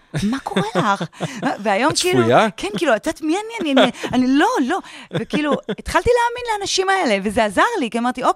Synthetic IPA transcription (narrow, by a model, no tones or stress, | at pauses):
mako̞ʁʁelaχveajo̞mkiiːlujakʰenkiːluatat̪imianianianianilo̞lo̞vekiiluet̪χalt̪ileaminleanaʃimae̞le̞ve̞zeazaʁlikiamaʁt̪io̞k